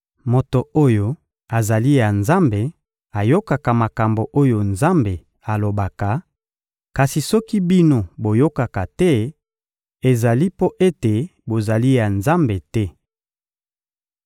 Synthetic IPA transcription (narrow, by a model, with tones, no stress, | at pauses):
mo˨to˨o˦jo˦ | a˨za˨li˦ja˨nza˦mbe˨ | a˨jo˦ka˨ka˨ma˨ka˨mbo˨ʔo˦jo˨nza˦mbe˨ | a˨lo˨ba˨ka˨ | ka˨si˨sɔ˦ki˦bi˦no˦bo˨jo˦ka˨ka˨tɛ˦ | e˨za˨li˦po˦ʔe˦te˨bo˨za˨li˦ja˨nza˦mbe˨tɛ˦